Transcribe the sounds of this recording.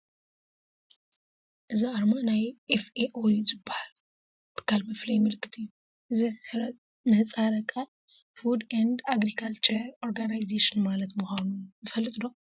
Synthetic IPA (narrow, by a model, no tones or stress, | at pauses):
ʔɨziʔaɾmanajʔefeʔojzɨbːahal | t̪ʰːɨ̥kʰːalmɐflɐjmɨlɨkʰːɨt̪ʰɨjːu | ʔɨziɾ | mɐt͡sʼaɾɐkʼa | fud̪and̪aɡɾikʰalt͡ʃʰeɾoɾɡanajzeʃɨnmalɐt̪muxanuzɨfɐlːɨt̪ʼɨd̪o̞